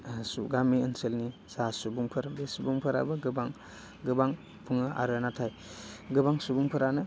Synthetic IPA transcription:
suɡamiənselnisasubuŋpʰɯɾbesubuŋpʰɯɾa̰bɯɡɯbaŋ | ɡɯbaŋ | pʰuŋɯʔa̰ɾɯnatʰaj | ɡɯbaŋsubuŋpʰɯɾanɯ

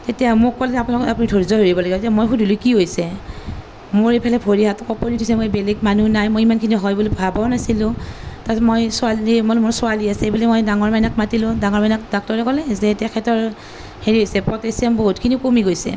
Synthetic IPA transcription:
tetijamʊkːɔlɛapunakɔapunidʰʱoɹizɔɦeɹibɔlaɡibɔtetiamojxudʱulʊkiɦojsɛ | mʊɹejpʰalɛpʰoɹiɦatɔkɔpɔnitʰɔsɛmobelɛɡmanunajmojimankʰiniɦɔjbulopabawnasilʊ̃tamojsʊalimɔlmʊɹsʊaliasɛebulimɔjdaŋɔɹmajnakmatilʊ̃daŋɔɹmajnak̚dɔk̚tɔɹɛkɔlɛzɛtɛkʰɛtɔɹ | heɹiɦojsɛpɔtesiamboɦutkʰinikomiɡojsɛ̰

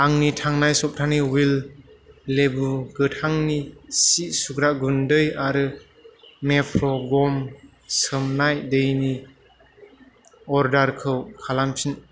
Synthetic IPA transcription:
aŋnitʰaŋnajsɔp̚tʰaniwilː | ebuɡɯtʰaŋnisiʔsukɾaɡundɯjaɾɯ | mepʰɾɔɡɔm | sɯmnajdɯjni | ɔɾdaɾkʰɯwkʰalampʰin

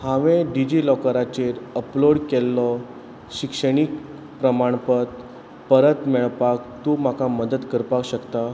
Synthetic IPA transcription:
haʋẽɖid͡ʑilɔkəɾat͡ɕeɾəploɽkelːɔ | ɕikʂəɽ̃ik | pɾəmaɳ̃pət̪ | pəɾət̪mɛɭpak̚t̪um̤akaməd̪ət̪kəɾpakɕəkt̪a

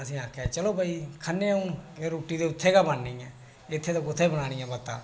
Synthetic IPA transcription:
əsĩːaːkʰːɛːt͡ʃəloːbəiːkʰənːẽːũkeɾoːʈiːd̪eːʊt̪ʰːeːkaːbanːĩːɛ̃ː | ɪt̪ʰːeːt̪õːkʊt̪ʰːeːbəɽ̃aːɽ̃ĩːɛ̃ːbət̪ːa̰ː

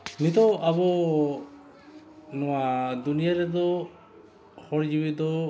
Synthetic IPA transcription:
nit̪ɔabɔ | nɔwad̪unijaɾɛd̪ɔ | xɔɾd͡ʒibid̪ɔ

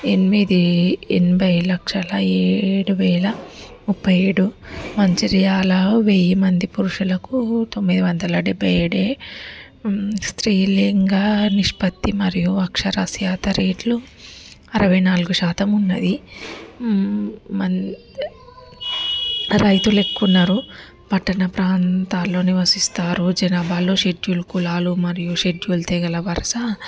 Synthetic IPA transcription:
enimid̪iḛnibʱɐjlɐkʂɐlɐeːɽuʋɛːlɐmupːɐjeːɽumɐɲt͡ʃiɾijaːlɐʋejimɐnd̪ipuɾuʂulɐkut̪o̞mːid̪iʋɐnd̪ɐlɐɖebʱːɐjeːɽeː | st̪ɾiːliŋɡaniʂpɐt̪ːimɐɾijuɐkʂɐɾɐsjaːt̪ɐɾeːʈlu | ɐɾɐʋɐjnaːluɡuʃaːt̪ɐmunːɐd̪i | mɐn | ɾɐjt̪ulekːunːɐɾu | pɐʈːɐnɐpɾaːnt̪aːlːo̞ːniʋɐsist̪aːɾud͡ʒɐnaːbaːlːo̞ːʃeɖjulukulaːlumɐɾijuʃe̞d͡ʒjult̪ɛɡɐlɐʋɐɾɐsɐ

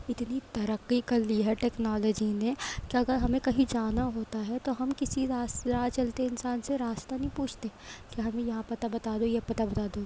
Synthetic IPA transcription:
ɪt̪nit̪ɐɾəqːikɐɾliɦɛʈeːknaːləd͡ʒinekiɐɡəɾɦɐmẽkɐɦĩd͡ʒaːnaɦoːt̪aɦɛt̪oɦɐmkɪsiɾaːsɾaːt͡ʃɐlt̪eɪnsaːnseɾaːst̪anɐɦĩpuːt͡ʃʰt̪ekeɦɐmẽjɐɦãpɐt̪abɐt̪aːd̪ojepɐt̪abɐt̪aːd̪o

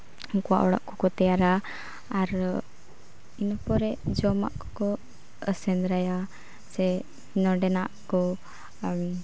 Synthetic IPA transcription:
kuwa̰ʔɔɽa̰ʔkɔkɔt̪ɛjaɾa | aɾ | inɔpɔɾɛd͡ʒɔma̰ʔkɔ̥kɔ | əsɛnd̪ɾaja | sɛ | nɔɖɛnaʔkɔ

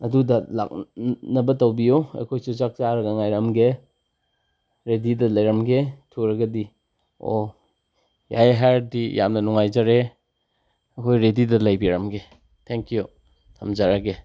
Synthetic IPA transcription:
ɐdudɐla̰k̚nɐbɐtɐwbijoɐ̰jkʰojsuzak̚t͡ʃaɾɐɡɐŋajɾɐmɡe | ɾedidɐlɐjɾɐmɡetʰukɾɐɡɐdi | o̰ | ja̰jɦajɾdijamnɐnuŋajzɐɾe | ɐkʰojɾedidɐlɐjbiɾɐmɡe | tʰeŋkju | tʰɐmzaɾaɡe

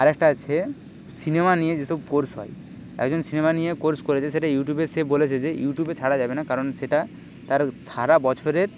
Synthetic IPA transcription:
aɾɛk̚ʈaat͡ɕʰe | sinemanijed͡ʑeʃɔb̚koɾsɦɔ̰e | ɛ̰kd͡ʑonsinemanijekoɾskoɾet͡ɕʰeʃeʈajuʈjubesebolet͡ɕʰed͡ʑejuʈjubet͡ɕʰaɽad͡ʑabenakaɾonʃeʈa | t̪aɾʃaɾabɔt͡ɕʰoɾeɾ

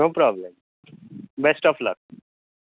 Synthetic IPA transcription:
noːpɾɔblem | besʈɔflək̚

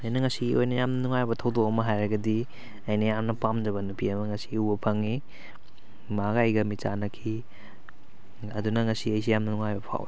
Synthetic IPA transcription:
ɐjnɐŋɐsiojnɐjamnɐnuŋajbɐtʰɐwdoɐmɐɦajɾɐɡɐdi | ɐjnɐjamnɐpamd͡ʒɐβɐnupʰiɐmɐŋɐsi̥ubɐpʰɐŋːi | maɡɐjɡɐmit͡ʃanɐkʰi | ɐdunɐŋɐsiɐjs̬ijamnɐnuŋajbɐpʰa̰w

